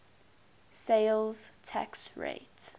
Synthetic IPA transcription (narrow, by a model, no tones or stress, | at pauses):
seɪlz̥tʰæ̰ksɹḛɪt